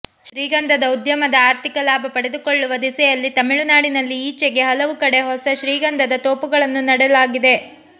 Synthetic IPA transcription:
ʃɾiːɡɐnd̪ʱɐd̪ɐud̪jɐmɐd̪ɐaːɾt̪ikɐlaːbʱɐpɐɽe̞d̪ukoɭːuʋɐd̪isɛjɐlːit̪ɐmiɭunaːɽinɐlːiːt͡ʃːɛɡe̞ɦɐlɐʋukɐɽe̞ɦɔsɐʃɾiːɡɐnd̪ʱɐd̪ɐt̪oːpuɡɐɭɐnːunɐɽɛlaːɡid̪e̞

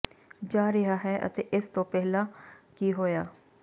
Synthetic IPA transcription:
d͡ʒaːɾɪɦaːɦɛʔə̰t̪eːʔɪst̪õːpɛɦlaːkiɦoːjaː

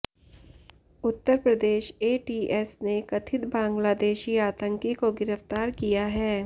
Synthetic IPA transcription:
ʊt̪ːəɾpɾəd̪eːʃeːʈiːʔɛsnekɐt̪ʰɪt̪bãːŋɡlaːd̪eːʃiaːt̪ə̃ŋkikoɡɪɾəft̪aːɾkijaɦɛː

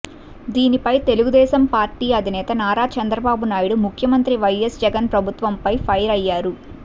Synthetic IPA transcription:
d̪iːnipɐjt̪e̞luɡud̪ɛːʃɐmpaːɾʈiːɐd̪ʱinɛːt̪ɐnaːɾaːt͡ʃɐnd̪ɾɐbaːbunaːjuɽumukʰjɐmɐnt̪ɾiʋɐjesd͡ʒɛɡɐnpɾɐbʱut̪ʋɐmpɐjpʰɐjɾɐjːaːɾu

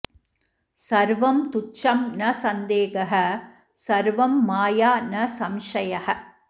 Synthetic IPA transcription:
sɐɾʋɐmt̪ut͡ʃːɐmnɐsɐnd̪eːɡɐɦɐ | sɐɾʋɐmːaːjaːnɐsɐmʂɐjɐhɐ

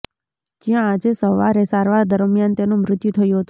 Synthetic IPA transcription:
d͡ʒjãːd͡ʒesəʋaɾesaɾʋaɾd̪əɾmjant̪enũmɾɪt̪jut̪ʰəjũɦət̪u

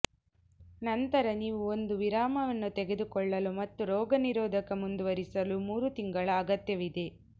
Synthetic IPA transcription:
nɐnt̪ɐɾɐniːʋuond̪uʋiɾaːmɐʋɐnːut̪ɛɡed̪ukɔɭːɐlumɐt̪ːuɾɔːɡɐniɾoːd̪ʱɐkɐmund̪uʋɐɾisɐlumuːɾut̪iŋɡɐɭɐːɡɐt̪jɐʋid̪e̞

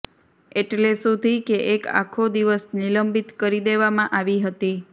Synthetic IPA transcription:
eʈlesud̪ʱikeʔeka̰kʰod̪iʋəsniləmbit̪kəɾid̪eʋamãʔaʋiɦət̪i

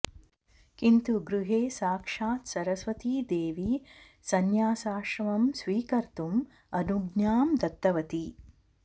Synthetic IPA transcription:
kint̪uɡɾuɦeːsaːkʂaːt̪sɐɾɐsʋɐt̪id̪eːʋi | sɐnjaːsaːʃɾɐʋɐmsʋiːkɐɾt̪um | ɐnuɡnjaːmd̪ɐt̪ːɐʋɐt̪i

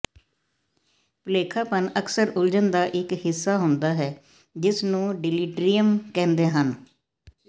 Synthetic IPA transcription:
pəleːkʰaːpənəksəɾʊld͡ʒənd̪aːʔɪkhɪsːaːɦʊnd̪aːɦɛː | d͡ʒɪsnũːɖɪliːʈɾijəmkɛ̃ːnd̪eːɦən

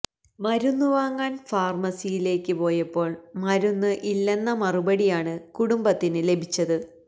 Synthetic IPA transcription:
mɐɾunːuʋaːŋːaːnfaːrmɐsijile̞ːkʲːɨpo̞ːjɐpːo̞ːɭmɐɾunːɨʔilːe̞nːɐmɐrubɐɽijaːɳɨkuɽumbɐt̪ːinɨle̞bʱit͡ɕːɐðɨ

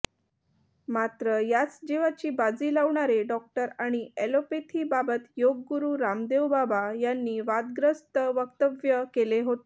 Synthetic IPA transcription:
mat̪ɾəjat͡sd͡ʑeʋat͡ɕiːbad͡ziːlaʋɳaɾeɖɔk̚ʈəɾaɽ̃ielopet̪ʰiːbabət̪joɡːuɾuɾamd̪eʋbabajanːiːʋad̪ɡɾəst̪əʋəkt̪əʋjəkeleɦot̪e

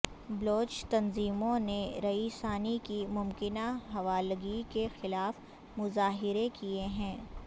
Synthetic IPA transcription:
bloːt͡ʃt̪ɐnziːmõneɾɐiːsaːnikimʊmkɪnaɦɐʋaːləɡikexɪlaːf | mʊzaːɦɪɾekieɦɛ̃ː

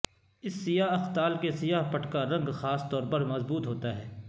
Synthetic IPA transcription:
ɪsːɪjaːɦɐxt̪aːlkesɪjaːɦpɐʈʰkaɾɐ̃ŋɡxaːst̪ɔːɾpɐɾmɐzbuːt̪ɦoːt̪aɦɛː

